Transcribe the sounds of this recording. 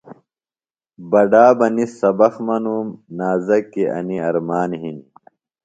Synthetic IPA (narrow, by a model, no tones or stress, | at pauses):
bɐɖaːbɐnisɐbɐxmɐnuːmnaːzɐkːiʔɐ̰niɐɾmaːnɦini